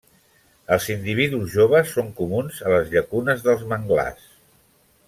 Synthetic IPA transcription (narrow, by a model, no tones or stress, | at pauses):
əlˠzind̪iβ̞iðuzʒoβ̞əsːoŋkumunzələzʎəkunəzðəlˠzməŋɡla̰s